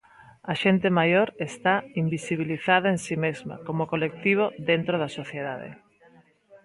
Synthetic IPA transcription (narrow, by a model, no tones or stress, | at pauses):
aʃent̪emajoɾest̪aimbisiβ̞iliθað̞aensimezma̰komokolek̚t̪iβ̞oðent̪ɾoð̞asoθjeðaðḛ